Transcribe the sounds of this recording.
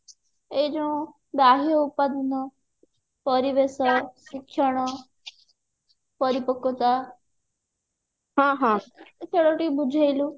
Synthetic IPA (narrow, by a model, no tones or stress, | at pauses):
ed͡ʒũ | baɦjɔupad̪nɔ | pɔɾiʋesɔsikʰːjɔɽ̃ɔ | pɔɾipɔkot̪a | ɦãːɦãkʰeɽoʈibud͡ʒʱajlũ